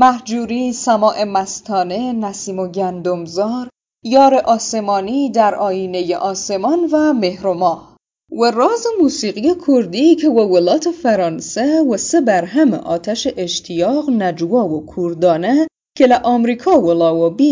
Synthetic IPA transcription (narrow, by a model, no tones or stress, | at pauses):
mæhd͡ʒuːɾiːsæmɒːʔe̞mæst̪ʰɒːnenæsiːmoɟænd̪omzɒːɾ | jɒːɾeʔɒːse̞mɒːnid̪æɾʔɒːjiːne̞jḛʔɒːse̞mɒnvæmehɾomɒːh | werɒːzemuːsiːɣijekʰoɾd̪ikʰewevolɒːt̪ʰefæɾɒːnsewesebæɾɦæmḛʔɒːt̪ʰæʃeʔeʃt̪ʰijɒːɣnæd͡ʒuvɒːvokʰuɾd̪ɒːne | cʰelæʔɒːmɾiːkʰɒːwolɒːvobi